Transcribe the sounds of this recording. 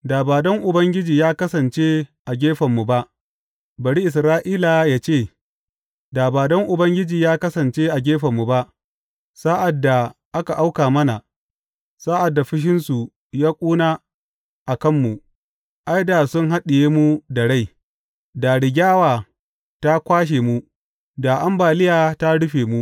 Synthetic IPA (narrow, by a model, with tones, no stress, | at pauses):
daː˨baː˨dɔ˦ŋʔʊ˨bɐ˦ŋɡʲɪ˦d͡ʒiː˨jaː˦kɐ˦sɐ˨nt͡ʃe˦ʔa˨ɡʲeː˦ɸɐ˨mːu˨ba˦ʔ | bɐ˨ɽi˦ʔɪ˨s̬ɾaː˦ʔiː˦la˨jaː˦t͡ʃeː˦˨ | daː˨baː˨dɔ˦ŋʔʊ˨bɐ˦ŋɡʲɪ˦d͡ʒiː˨jaː˦kɐ˦sɐ˨nt͡ʃe˦ʔa˨ɡʲeː˦ɸɐ˨mːu˨ba˦ʔ | sa˦ʔa˨dːa˨ʔa˦ka˨ʔa˦wkaː˨mɐ˦na˨ | saː˦ʔa˨dːa˨ɸɪ˦ʃ̬ɪ˦nsu˨ | jaː˦kʷʼuː˦naː˦ | ʔa˨kɐ˦˨mːu˨ | ʔa˦jda˨sʊ˦ŋɦa˦ɗɪ˨jeː˦mu˦da˨ɽa˦˨j | da˨ɽɪ˨ɡʲaː˦waː˨ | ta˦kʷaː˦ʃ̬eː˨mu˦ | da˨ʔa˦mbaː˨lɪ˦jaː˨ta˦ɽʊ˦ɸeː˨mu˦ʔ